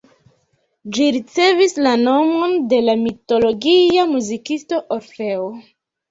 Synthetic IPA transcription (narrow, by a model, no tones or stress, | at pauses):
d͡ʒiɾit͡se̞vislano̞mo̞nde̞lamito̞lo̞ɡiamuzikisto̞ʔoɾfe̞o